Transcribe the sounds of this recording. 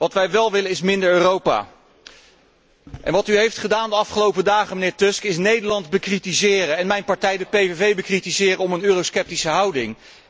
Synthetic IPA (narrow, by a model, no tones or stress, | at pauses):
ʋɑtʋɛjʋɛlˠʋɪlənɪsmɪndəɹøːrowpa̰ː | ʔɛ̰nʋɑtyɦejftχədaːndəɑfχəlowpədaːχəmənɪːɹtɵskɪsnejdəɹlɑndbəkritizɪːrəɛnmɛjnpɑɹtɛjdəpejvevejbəkritizɪːrəɔmənøːroskɛp̚tisəɦɑwdɪŋ